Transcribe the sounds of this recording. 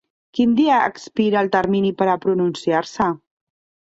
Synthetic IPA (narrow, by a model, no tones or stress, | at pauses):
kind̪iəə̰kspiɾəːlˠt̪əɾminipəɾəpɾununsiaɾsə